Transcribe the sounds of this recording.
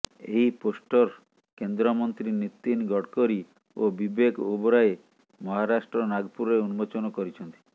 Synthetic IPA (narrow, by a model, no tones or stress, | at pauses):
ḛɦiposʈɔɾ | kend̪ɾɔmɔnt̪ɾinit̪ːinɡʱɔɽkɔɾi | obibekubɔɾaje | mɔɦaɾaʃʈɾɔnaɡpuɾeunbot͡ʃɔnɔkɔɾit͡ʃʰɔnt̪i̥